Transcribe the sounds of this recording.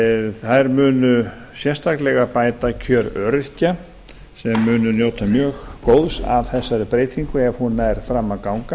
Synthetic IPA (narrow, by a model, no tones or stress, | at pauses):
θajɾmʏːnʏ | sjɛnst̪aklɛɣapaːjt̪acʰœːɾœɾɪca | sɛmːʏːnʏnjoːwt̪amjœːxkowðsa̰vθɛsːaɾʏpɾeːjt̪iŋkʏɛv̥hunaɛɾ̥fɾamːakawŋka